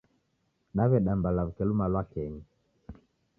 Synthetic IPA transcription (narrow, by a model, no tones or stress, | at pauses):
ɗaβɛɗambalavukɛlumalwakɛɲi